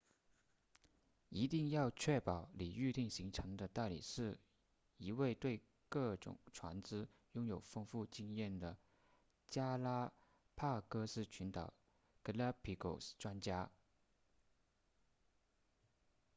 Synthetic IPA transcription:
i˧˥t̪i˥˧ŋjɑ˥˧ʊt͡ɕʰɥɛ˥˩pɑ˨˩ʊli˨˩y˥˧t̪i˥˩ŋɕi˧˥ŋʈ͡ʂʰɤ˧˥ŋd̪ə˧t̪a˥˩ɪlḭ˨˩ʂɻ̩˥˩ | i˧˥we˥˧ɪt̪we˥˧ɪ | kɤ˥˩ʈ͡ʂʊ̰˨˩˦ŋʈ͡ʂʰwa̰˧˥nt͡sɹ̩ɻ̩˥ | jʊ˥ŋjo˨˩ʊfɤ˥ŋfu˥˩t͡ɕi˥ŋjɛ˥˩nd̪ə˩ | t͡ɕja˥la˥ | pʰa˥˩kɤ˥ʂɹ̩˥˩t͡ɕʰy˧˥nt̪ɑ˨˩ʊ | kə˧˥la˥pʰi˧˥ko˨˩ʊsʈ͡ʂwa˥nt͡ɕja˥

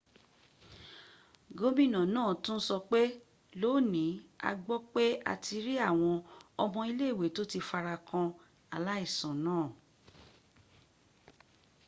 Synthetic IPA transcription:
ɡo˦mĩ˦˨nã˨nãː˦˨tũ˦n̩˦sɔ˧k͡pe˦ | lo˦˨nĩ˨˦a̰˧ɡ͡bɔ˦k͡pe˦a̰˧tʰi˧ɾi˦a˦˨w̃ɔ̃˧ɔ˧mɔ̃˧i˧le˦˨we˨to˦ti˧fa˧ɾa˧kã˧ | a˨la˦i˦˨sã˨nãː˦˨

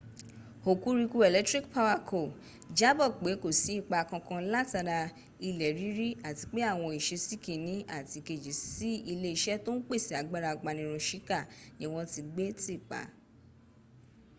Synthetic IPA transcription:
ho˨ku˦ɾi˧ku˧˦e˨lɛ˦tɾi˦kpa˦wa˦kʰo˨ | d͡ʒa˦bɔ˦˨k͡pe˨˦ko˦˨si˨˦i˦˨k͡pa˨˧˨kã˧kã˧la˦ta˧ɾa˧ | i˧lɛ˨ɾi˦ɾi˦a˦˨ti˧k͡pe˦a˦˨w̃ɔ̃˧i˨ʃe˧si˦˨kĩ˨nĩ˨˦a˦˨ti˧ke˨d͡ʒi˨˦si˦i˧le˦i˧˦ʃɛ˦to˦n̩˦k͡pe˦˨si˨˦a˨ɡ͡ba˦ɾa˧ɡ͡ba˧nĩ˧˦ɾ̃ũ˧ʃi˦ka˦˨nĩ˦w̃ɔ̃˧ti˧ɡ͡be˦ti˦i˦˨k͡pa̰˨˦

